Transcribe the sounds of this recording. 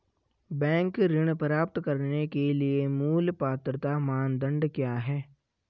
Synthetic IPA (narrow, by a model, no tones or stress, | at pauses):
bɛ̃ːŋkɾɪɽ̃pəɾaːpt̪kɐɾnekeliemuːlpaːt̪ɾt̪amaːnd̪ə̃ɳɖkjaːɦɛː